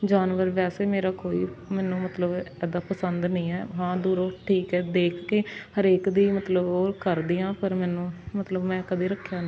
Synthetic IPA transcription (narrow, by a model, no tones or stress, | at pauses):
d͡ʒaːnʋəɾʋɛːseːmeːɾaːkoːiːmɛːnũːmət̪ləbɛːd̪aːpəsənd̪nəĩːɛːɦãːd̪uːɾoːʈʰiːkɛːd̪eːkʰkeːhəɾeːkd̪iːmət̪ləboːɾkəɾd̪iːãːpəɾmɛːnũːmət̪ləbmɛ̃ːkəd̪iːɾəkʰːjaːnː